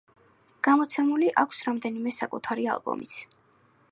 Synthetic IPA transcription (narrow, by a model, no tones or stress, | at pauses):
ɡ̥amɔt̪sʰɛmuliʔakʷʰsɾamd̪ɛnimɛsakʼut̪ʰaɾia̰lˠbɔ̰mḭt̪sʰ